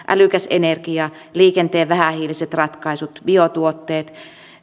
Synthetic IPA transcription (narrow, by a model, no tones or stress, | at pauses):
ʔæ̰lykæsḛnerkiɑ | liːkent̪eːʋæhæhiːliset̪rɑt̪kɑisut̪biot̪uot̪ːeːt̪